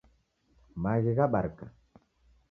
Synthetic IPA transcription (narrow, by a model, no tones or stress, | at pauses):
maɣiɣaɓaɾka